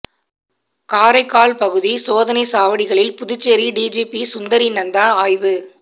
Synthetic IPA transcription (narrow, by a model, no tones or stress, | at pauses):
kaːɾɐɪkːaːɭpɐɣɯðisoːðɐnɐɪsaːʋɐɽɪɣɐɭɪlpʊðʊt͡ʃːɛɾiɖiːd͡ʒiːpisʊnd̪ɐɾinɐnd̪aːaːjʋɯ